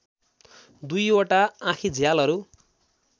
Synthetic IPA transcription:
d̪ujoʈaãkʰid͡zʱjalʌɾu

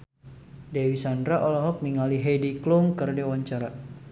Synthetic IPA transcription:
dewisandɾaʔɔlɔɦɔk̚niŋaliɦedikluŋkərdewaɲt͡ʃaɾa

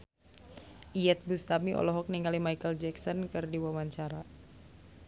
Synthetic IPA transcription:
ʔiɛt̪̚bust̪amiʔɔ̰lɔɦɔk̚niŋɡalimajkəld͡ʒɛksɔnkɨrdiwawaɲt͡ʃaɾa

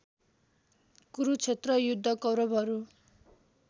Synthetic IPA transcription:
kuɾut͡sʰet̪rʌjud̪ʱːʌkʌwɾʌbʱʌɾu

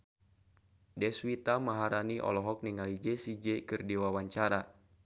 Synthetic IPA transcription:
dɛswit̪amaɦaɾaniʔɔ̰lɔɦɔk̚niŋalid͡ʒɛsid͡ʒɛkɨrdiwawaɲt͡ʃaɾa

